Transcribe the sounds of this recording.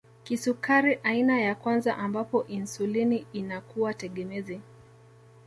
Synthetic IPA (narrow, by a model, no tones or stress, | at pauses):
kisukaɾiʔainajakwanzaʔambapɔʔinsuliniːnakuwatɛɠɛmɛzi